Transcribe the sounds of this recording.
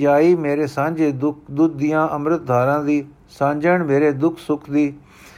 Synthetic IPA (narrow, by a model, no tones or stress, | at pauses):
aːiːmeːɾeːsãːɲd͡ʒeːd̪ʊkd̪ʊd̪ijãːʔəmɾət̪̚d̪ʱaːɾãːd̪iː | sãːɲd͡ʒəɳmeːɾeːd̪ʊkʰsʊkʰd̪iː